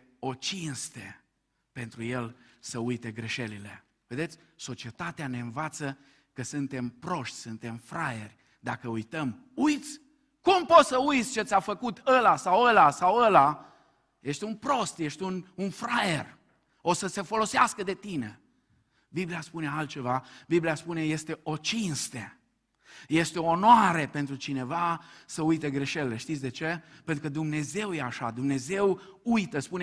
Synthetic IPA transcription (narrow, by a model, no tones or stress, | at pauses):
o̞t͡ʃinst̪e | pe̞nt̪ɾuje̞lsəujt̪e̞ɡɾe̞ʃe̞lile̞̰ | ve̞d̪e̞t̪sʲso̞t͡ʃie̞t̪at̪eane̞ɨnvat̪sə | kəsɨnt̪e̞mpɾo̞ʃt̪ʲsɨnt̪e̞mfɾajerʲ | d̪akəujt̪əm | ujt̪sʲ | kumpo̞t̪səujt̪sʲt͡ʃe̞t̪sʲafəkut̪əlasawəlasawəla | jeʃt̪ʲunpɾo̞st̪je̞ʃt̪ʲununfɾajer | osəse̞fo̞lo̞seaskəd̪e̞t̪ine̞̰ | bibliaspune̞alt̪̚t͡ʃe̞vabibliaspune̞je̞st̪e̞ʔo̞t͡ʃinst̪e | je̞st̪eoonoaɾepent̪ɾut͡ʃine̞vasəujt̪e̞ɡɾe̞ʃelile̞ʃt̪it̪sʲd̪e̞t͡ʃe̞pent̪ɾukəd̪umne̞ze̞wjeaʃa̰d̪umne̞ze̞wujt̪əspune